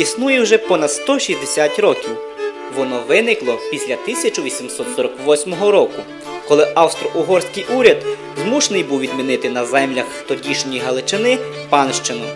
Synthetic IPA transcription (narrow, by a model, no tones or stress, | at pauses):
isnujɛwʒɛpɔnɐd̪st̪ɔʃisʲd̪esʲatʲɾɔkʲiw | ʋɔnɔʋɪnɪklˠɔpʲisʲlʲɐt̪ɪsʲɐt͡ʃʊʋʲisʲimsɔt̪sɔɾɔkʋɔsʲmɔɦɔɾɔkʊ | kɔlˠɪʔɐwst̪ɾɔʔʊɦɔrsʲkɪjʔuɾʲɐd̪ | zmuʃnɪjbuwʋʲid̪̚mʲinɪt̪ɪnɐzɛmlʲɐxt̪ɔdʲiʃnʲijɦɐlˠɪt͡ʃɪnɪ | pɑnʃt͡ʃɪnʊ